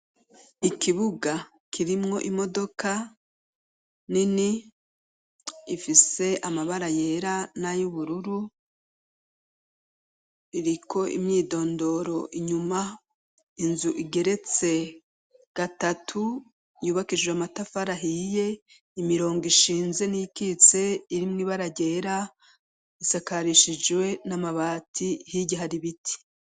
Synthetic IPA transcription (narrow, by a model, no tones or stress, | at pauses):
ikiβuɡa | kʰiɾimŋo̞ʔimo̞do̞kʰa | nini | ifise̞amaβaɾaje̞ːɾanajuβuɾuɾu | iɾikʰo̞ʔḭmɲiːdo̞ːndo̞ɾo̞ʔiɲuma | inzuʔiɡe̞ɾe̞t͡se̞ | ɡ̥atatʰu | juːβakid͡ʒweamatafaɾaɦije̞ | imiɾo̞ːŋɡiʃiːnze̞nijikit͡se̞iɾimŋiːβaɾaɟe̞ɾa | isakaɾiʃid͡ʒwe̞namaβaːtʰihiɟiɦaɾiβitʰi̥